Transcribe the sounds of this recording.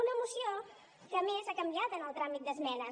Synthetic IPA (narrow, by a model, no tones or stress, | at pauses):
unəəmusio | kəːmezakəmbiat̪ənəlˠt̪ɾamit̪̚d̪əzmɛnə